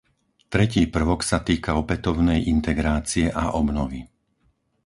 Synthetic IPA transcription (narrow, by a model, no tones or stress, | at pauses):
t̪ɾɛciːpr̩ʋɔksat̪iːkaɔpɛt̪ɔʊnɛjint̪ɛɡɾaːt͡siɛʔaʔɔbnɔʋi